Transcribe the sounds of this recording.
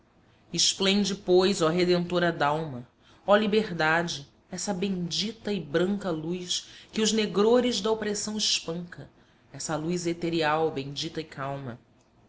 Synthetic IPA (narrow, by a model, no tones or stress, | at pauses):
ɪʃplẽnd͡ʒɪpojzɐɦed̪ẽnt̪oɾɐd̪awmɐ | ɔlibeɦd̪ad͡ʒɪ | ɛsɐbẽd͡ʒit̪ɐɪbɾɐ̃ŋkɐlujskɪʊzneɡɾoɾɪʒd̪ɐopɾesɐ̃w̃ɪʃpə̃ŋkɐ | ɛsɐlujzet̪eɾiawbẽj̃d͡ʒit̪ɐɪkʰawmɐ̰